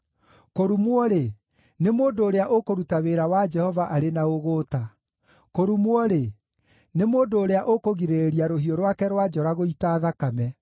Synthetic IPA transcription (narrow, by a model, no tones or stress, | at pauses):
koɾumwɔɾe | nemoːndoːɾeaʔokoɾutaweɾawad͡ʒɛhɔvaʔaɾenaoɣoːta | koɾumwɔɾe | nemoːndoːɾeaʔokoɣiɾeɾiaɾoɦiɔɾwakɛɾwad͡ʒɔɾaɣoitaːðakamɛ